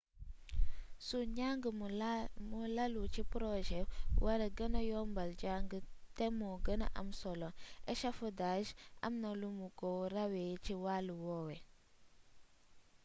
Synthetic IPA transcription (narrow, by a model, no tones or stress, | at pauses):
suɲaŋɡə | mulalut͡ʃipɾoʒɛwʔaɾeɡənajombald͡ʒaŋɡətemoɡəna̰ʔa̰msoloeʃafudaʒa̰mnalumukowɾawet͡ʃiwaluwowe